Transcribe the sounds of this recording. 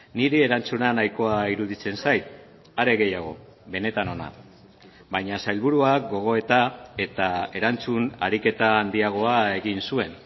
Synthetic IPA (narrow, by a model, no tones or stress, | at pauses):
niɾieɾant͡sunanajko̞aiɾuðit͡se̞nsajt̪ | aɾe̞ɣe̞jaɣ̞o̞ | βe̞ne̞t̪ano̞na̰ | bajɲasajlβuɾuakɡo̞ɣ̞o̞e̞t̪ae̞t̪ae̞ɾant͡sunaɾike̞t̪aːnd̪iaɣ̞o̞ae̞ɣinsue̞n